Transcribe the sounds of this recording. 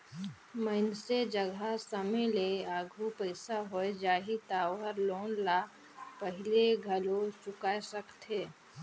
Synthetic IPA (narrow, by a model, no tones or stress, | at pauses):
məɪnsed͡ʒəɡʱasəmeleaːɡʱupəɪsaɦoed͡ʒaːɦit̪aːwəɾloːnla | pəɦɪleɡʱəlot͡ʃʊkaːesəkt̪ʰeː